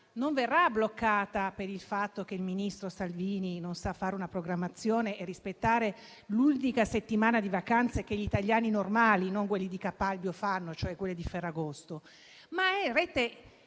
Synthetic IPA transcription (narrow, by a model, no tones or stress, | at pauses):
noɱverːablokːaːt̪apeɾilfat̪ːok̟eilminist̪ɾosalviːninonsafːaːɾeunapɾoɡɾamːat̪sːjoːneʔːrːispet̪ːaːɾe | lult̪ikaset̪ːimaːnad̪ivakant̪sek̟eʎit̪aʎːaːninormaːlinoŋkwelːid̪ikapːalbjofanːot͡ʃoɛkːwelːed̪ifɛrːaɡost̪o | maɛrɛːt̪e